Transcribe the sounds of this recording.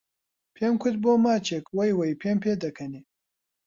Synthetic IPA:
pʰemkʰut̪̚bomaːt͡ʃekwɐjwɐjpʰempʰed̪ɐkʰɐni

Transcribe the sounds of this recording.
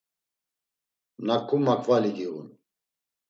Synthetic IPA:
mnakʰːumakʰvaliɡiɣṵn

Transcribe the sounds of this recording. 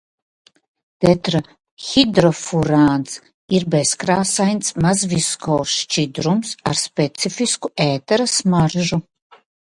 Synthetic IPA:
d̪̥ɛt̪ɾa | xʲid̪ɾɔfuɾaːns | iɾbɛskɾaːsajnt̪smazviskʰɔwʃt͡ʃid̪ɾumsa̰ɾspʲɛt̪sifiskuʔɛːt̪ɛɾasmarʒu

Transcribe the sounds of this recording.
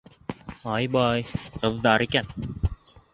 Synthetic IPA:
ɑjbɑjqɤ̆ðːɑɾikæn

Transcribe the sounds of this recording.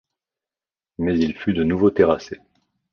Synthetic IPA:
mɛzilfyd̪ənuvot̪eʁase

